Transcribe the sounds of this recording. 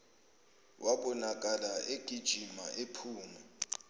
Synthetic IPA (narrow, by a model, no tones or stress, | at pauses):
wʔaɓɔnak̬ʼalaeɡ̥ʱid̥ʒ̥ʱimaʔepʰuːmɔ